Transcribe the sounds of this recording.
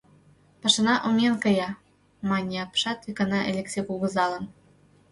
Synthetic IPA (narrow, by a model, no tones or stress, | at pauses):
pɤ̆ʃɤ̆nɑʔumʲenkɤ̆jɑ | mɑnʲeɑpʃɑt̪vʲikɤ̆nɑʔelʲeksʲekulɣɤ̆zɑlɤ̆n